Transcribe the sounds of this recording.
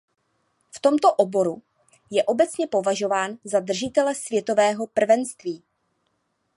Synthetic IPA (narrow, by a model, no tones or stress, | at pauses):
ft̪o̞mt̪o̞ʔo̞bo̞ɾu | jɛʔo̞bɛt͡sɲɛpo̞vaʒo̞vaːnzad̪r̩ʒɪt̪ɛlɛsvjɛt̪o̞vɛːɦo̞pr̩vɛnst̪viː